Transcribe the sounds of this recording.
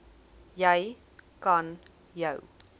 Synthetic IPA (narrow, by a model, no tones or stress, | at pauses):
jəj | kɐn | jəw